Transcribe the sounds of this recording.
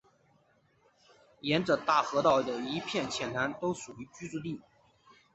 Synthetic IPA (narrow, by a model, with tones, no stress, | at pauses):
jɛ˧˥nʈ͡ʂɤ˨˩t̪a˥˩xɤ˧˥t̪ɑ˥˩ʊd̪ə˩i˧˥pʰjɛ˥˩nt͡ɕʰjɛ˨˩nna˧˥nt̪o˥ʊʂu˨˩y˧˥t͡ɕy˥t͡su˥˧li˥˩